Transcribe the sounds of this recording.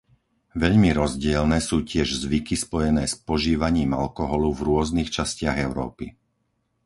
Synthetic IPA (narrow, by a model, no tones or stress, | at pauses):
ʋɛʎmiɾɔzɟɪɛlnɛːsuːcɪɛʒzʋikispɔjɛnɛːspɔʒiːʋaɲiːma̰lkɔɦɔluvɾʊɔznixt͡ʃascɪaɣɛʊɾɔ̰ːpi